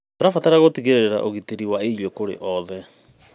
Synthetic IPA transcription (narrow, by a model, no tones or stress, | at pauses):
toɾafataɾaɣotiɣeɾeɾeɾa̰ʔoɣiteɾiwaejwekoɾḛʔɔðɛ